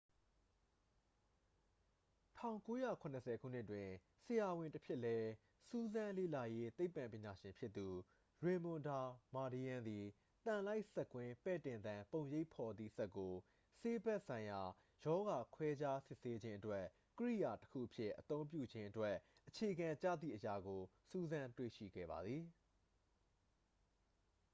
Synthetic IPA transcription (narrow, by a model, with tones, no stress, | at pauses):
tʰã̰˦˨ʊ̃ŋko˦jä̰˦˨kʰʊ̃˨nəsʰɛ˨kʰṵ˦˨n̥ɪ˦ʔtwɪ̃˨ | səja˨wɪ̃˨ntəpʰjɪ˦ʔlɛ˦ | su˦zã˦lḛ˦˨la˨je˦t̪e˦ɪpːã˨mpjɪ̃˨ɲa˨ʃɪ̃˨mpʰjɪ˦t̪ːu˨ | ɹẽ˨mʊ̃˨nda˨ma˨di˨ã˨nd̪i˨ | t̪ã˨la˦ɪʔsɛ˦kwɪ̃˦pɛ˦˨tɪ̃˨nd̪ã˨põ˨ʊ̃je˦ɪʔpʰɔ˨d̪ðḭ˦˨sɛ˦kːo˨ | se˦bɛ˦ʔsʰã˨ɪ̃ja˨ | jɔ˦ɡa˨kʰwɛ˦d͡ʑa˦sɪ˦ʔse˦d͡ʑɪ̃˦ʔə˦twɛ˦ | kəɹḭ˦˨ja˨təkʰṵ˦˨ʔəpʰjɪ˦ʔət̪õ˦ʊ̃mpjṵ˦˨d͡ʑɪ̃˦ʔə˦twɛ˦ʔʔət͡ɕʰe˨əɡã˨t͡ɕa̰˦˨d̪ðḭ˦˨ʔəja˨ɡo˨ | su˦zã˦ntwḛ˦˨ʃḭ˦˨ɡɛ̰˦˨ba̰˨d̪ði˨